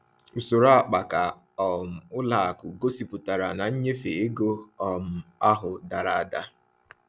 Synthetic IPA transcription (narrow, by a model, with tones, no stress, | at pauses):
u˨so˨ɾa˦a˨k͡pa˨ka˨ | ɔ˨m̩˨ʊ˦la˨a˨kʊ˨ɡo˦si˨pʊ˨ta˨ɾa˨na˨ɲ̩˦ɲe˦fe˨e˦ɡo˦ɔ˨m̩˨a˦ɦʊ˨da˨ɾa˨a˦˨da˦